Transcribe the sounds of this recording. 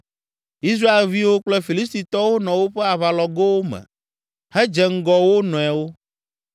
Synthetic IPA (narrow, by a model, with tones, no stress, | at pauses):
i˦s̬ɾa˦e˨lvi˦wo˦k͡plɛ˦fi˨li˦st̪i˨t̪ɔ˦wo˦nɔ̃˨wo˦ɸɛ˦a˨βa˨lɔ˨ɡe˦wo˦mɛ̰˨ | hɛ˦d͡ʒɛ˨ŋ̩˦ɡɔ˨wo˦nɔ̃˨ɛ˨wo˦